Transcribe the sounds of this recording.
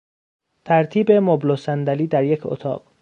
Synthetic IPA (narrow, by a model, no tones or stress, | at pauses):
t̪ʰæɾt̪ʰiːbemoblosænd̪æliːd̪æɾjecʰo̰t̪ʰɒ̰ːɢ̥